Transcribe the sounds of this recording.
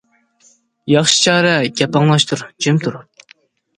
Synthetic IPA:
jɑχʃi̥t͡ʃʰɑːɾɛɡʲɛpɑŋlˠɑʃt̪ʰuɾd͡ʒemt̪ʰuɾup̚

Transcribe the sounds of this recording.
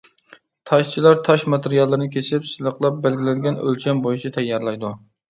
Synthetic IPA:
t̪ʰɑʃt͡ʃʰilˠɑɾt̪ʰɑʃmɑt̪eɾijɑlˠːɨɾɨnɨkʲʰesɪpsɨlˠəqlˠɑp̚bælɡʲilɛd̪ɪɡʲɛnø̰lt͡ʃʰɛmbojit͡ʃʰit̪ʰɛjːɑɾlˠɑjd̪u

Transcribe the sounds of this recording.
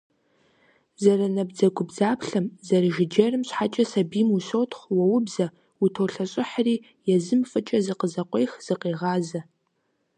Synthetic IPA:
zɐrɐnɐbd͡zɐɡʷʊbzaːpʰɬɐmzɐrɨʒɪd͡ʒɐrɨmɕħat͡ʃʼɐsɐbiːmuɕowtʰχʷwɐwʊbzɐ | utʰoːɬɐɕʼɪħriː | jɛzɨmfɨt͡ʃʼɐzɨqəzɐqʷʼejxz̥ɨqeːʁɑːzɐ

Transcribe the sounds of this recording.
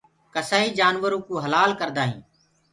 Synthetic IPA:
kəsaːɦiːd͡ʒaːnʋəɾũːkũːɦəlaːlkəɾd̪aːɦḭ̃ː

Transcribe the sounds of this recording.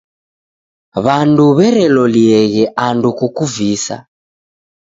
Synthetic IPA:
βanduβɛɾɛlɔliɛɣɛʔandukukuvisa̰

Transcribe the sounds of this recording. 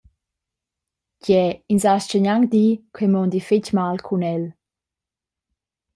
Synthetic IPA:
ɟɛinsast͡ʃəɲaŋd̪ikʰemɔnd̪ifɪcmalkʰunɛl

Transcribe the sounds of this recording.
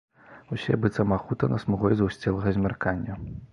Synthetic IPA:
usʲɛbɨt̪sɐmaxut̪ɐnɐsmuɣɔjzɐwsʲt͡sʲɛlˠɐɣɐzʲmʲarkanʲːɐ

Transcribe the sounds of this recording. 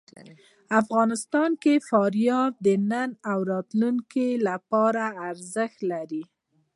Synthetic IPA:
afɣɑnɪst̪ɑnkefɑɾjɑɾd̪ənanawɾɑt̪luŋkelapɑɾaːɾzəxt̪laɾi

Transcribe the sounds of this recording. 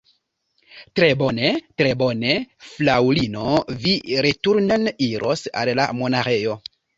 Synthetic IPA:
tɾebonetɾe̞bo̞neflawlinoviɾetuɾneniɾʔo̰sa̰lla̰monaɾe̞jo̞

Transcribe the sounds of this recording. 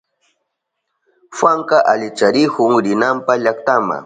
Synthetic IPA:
fwaŋkaʔaʎɪt͡ʃaɾɪkʊŋɾɪnampaʎakt̪ama̰

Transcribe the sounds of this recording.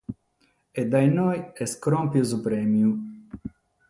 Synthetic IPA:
ed̪ajnojeskɾɔmpizupɾemiju

